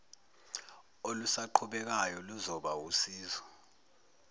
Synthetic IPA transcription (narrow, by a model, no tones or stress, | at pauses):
olusaǃʰuɓɛk̬ajɔluzɔɓawusiːzɔ